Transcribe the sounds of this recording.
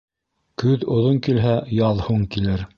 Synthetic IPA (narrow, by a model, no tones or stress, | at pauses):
kɵðŏðoŋkilɦæjɑðˠhuŋkilɘɾ